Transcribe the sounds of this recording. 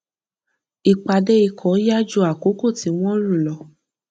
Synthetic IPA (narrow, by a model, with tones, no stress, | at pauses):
i˨k͡pa˨de˦i˧kʰɔ˨˦ja˦d͡ʒu˧˦a˨ko˨˦ko˦˨ti˨˦w̃ɔ̃˦ɾu˦˨lɔ˨˦